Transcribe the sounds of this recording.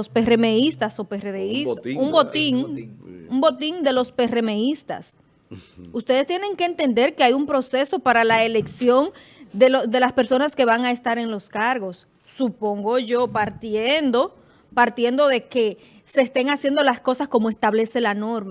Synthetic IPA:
ospe̞reme̞ist̪aso̞pereðeisumbot̪iŋ | umbo̞t̪iŋd̪e̞lo̞spe̞re̞meist̪a̰s | ust̪e̞ð̞est̪jene̞ŋke̞ːnt̪e̞nd̪e̞ɾkeajumpɾo̞se̞so̞paɾalaele̞ksjo̞ŋ | d̪elod̪e̞laspe̞ɾso̞naske̞βaŋae̞st̪aɾe̞ŋlo̞skaɾɣo̞sː | upo̞ŋɡo̞ʝo̞paɾt̪jend̪o̞ | paɾt̪je̞nd̪o̞ðe̞ke̞ | se̞ːst̪e̞ŋasjend̪o̞lasko̞sasko̞moe̞st̪aβle̞selano̞ɾma

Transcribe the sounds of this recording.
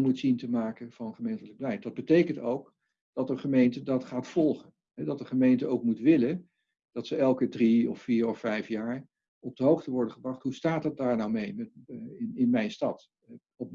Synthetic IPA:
mutsintəmaːkənvɑnəχəmejntələɡ̚bəlɛjtdɑd̚bətejkəntowk | d̥ɑtəχəmejntədɑtχaːtfɔlˠχən | ɦɛdɑtdəχəmejntəʔowkmutʋɪlən | d̥ɑtsəɛlˠkədriɔfːiːɹɔfɛjfjaːɹ | ɔb̚dəɦowχtəʋɔɹdəχəbrɑχtɦustaːtdɑt̚daːɹnawmejmɛɪnɪnmɛjnstɑt | ɔp

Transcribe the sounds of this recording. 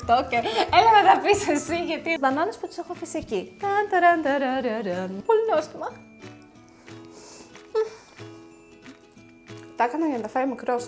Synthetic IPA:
t̪oceelɐnɐðɐpisesiʝɐt̪izbɐnɐnɐsput̪i̥se̞xufisiecit̪ɐnt̪ɐɾɐnt̪ɐɾɐɾɐɾɐnpolinost̪imɐ | t̪ɐkɐnɐjɐnd̪ɐfeɾimikɾos

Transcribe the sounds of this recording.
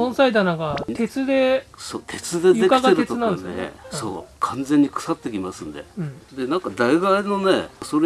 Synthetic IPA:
õsaid̪anãɡat̪e̞t͡sɨd̪e̞soːt̪ʰe̞t͡sɨd̪ej̪ekaɡaetɾɯet̪ɨnãnd̪esso̰ːkʰãnzẽ̞ɲ̟ːikɯ̥sat̪ːe̞kʲimasɨ̃nd̪e̞̰ɯ̟̃ɴd̪enãŋkad̪aiɡaino̞nḛso̞ɾ

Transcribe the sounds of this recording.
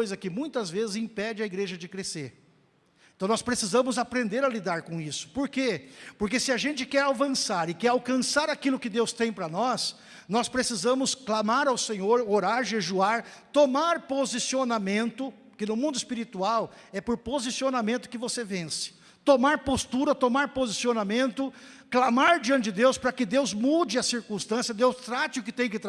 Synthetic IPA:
jzɐkɪmũj̃t̪ɐzvezɪzĩpɛd͡ʒɪɐiɡɾeʒɐd͡ʒɪkɾeseɾ | ẽt̪ɐ̃w̃nɔspɾesizɐ̃mʊzapɾẽnd̪eɾɐlid̪aɾkõisʊ̥poɾkepoɾkesɪaʒẽnt͡ʃɪkɛɾavɐ̃saɾɪkɛɾawkɐ̃saɾakilʊkɪd̪ewst̪ẽj̃pɾɐnɔs | nɔspɾesizɐ̃mʊsklamaɾawsẽɲoɾoɾaɾʒeʒuaɾt̪omaɾpozisionamẽnt̪ʊ | kɪnʊmũnd̪ʊɪspiɾit̪uaw | ɛpoɾpozisionamẽnt̪ʊ̥kɪvosevẽsɪ̥ | t̪omaɾpost̪uɾɐt̪omaɾpozisionamẽnt̪ʊklamaɾd͡ʒiɐ̃t͡ʃɪɪd̪ewspɾɐkɪd̪ewzmud͡ʒɪɐsiɾkũst̪ɐ̃sjɐd̪ewst̪ɾat͡ʃɪʊkɪt̪ẽj̃kɪt̪

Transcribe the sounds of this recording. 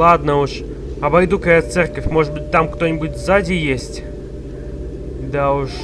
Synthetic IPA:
ad̪nəʊʂ | ɐbɐjd̪ukɐjat̪sɛrkəfʲmoʐɨd̪̚bɨt̚ʲt̪amkt̪onʲɪbʊtʲvzadʲɪjesʲtʲ | d̪aʊʂ

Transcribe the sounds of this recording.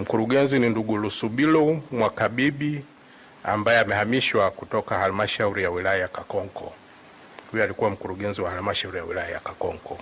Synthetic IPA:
m̩kuɾuɡɛnzininduɡulusuɓilɔmwakaɓiɓi | a̰mbajɛamɛhamiʃwakutɔkahalumaʃauɾijawilajajakakɔŋkɔ̰ | hujɔalikuwam̩kuɾuɡɛnziwahalumaʃauɾijawilajaja̰kakɔŋkɔ

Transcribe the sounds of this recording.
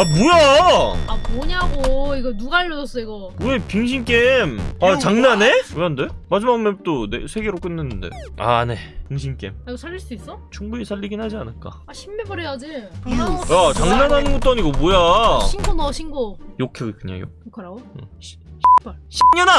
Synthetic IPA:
amojaamɔɲaɡoiɡʌnuɡaaɭːʌd͡ʑʌs͈ʌiɡʌmuepiŋɕ̬ʰink͈e̞mat͡ɕaŋnane̞mojande̞mad͡ʑimaɡɯment͈onḛsʰe̞ɡe̞ɾok͈ɯnːɯnːɯnde̞̰a̰ne̞piŋɕʰink͈e̞̰maɡosʰaʎːiɭs͈uis͈ʌt͡ɕʰuŋbuisʰaʎːiɡinɦad͡ʑianɯɭk͈a̰aɕʰimːebʌɾejad͡ʑi | at͡ɕaŋnanɦanɯnɡot͈oaɲiɡomojainɡonʌɕʰinɡojokʰeɡkɯɲa̰jo̰okʰɾaɡoɯ̰ | ɕɕʰiɲʌna

